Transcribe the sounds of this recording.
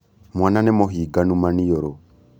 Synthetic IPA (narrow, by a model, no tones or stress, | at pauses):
mwananɛmɔɦiɡanumanijɔɾɔ